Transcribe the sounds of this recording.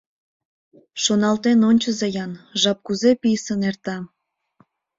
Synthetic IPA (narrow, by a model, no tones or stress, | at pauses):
ʃonɑlt̪enonʲt͡ɕəzejɑnʒɑp̚kuzepijsənert̪ɑ